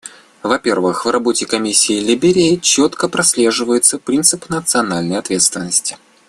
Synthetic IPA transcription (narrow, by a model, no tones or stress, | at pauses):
vɐpʲe̞rvɨxvrɐbo̞tʲɪkɐmʲisʲːɪːlʲɪbʲɪɾʲɪjɪt͡ɕot̪kəpɾɐsʲlʲe̞ʐɨvəjɪt̪səpɾʲint̪sɨpnət̪sɨɐnalʲnəjɐt̪vʲe̞t̪st̪vʲɪnːəsʲtʲɪ̥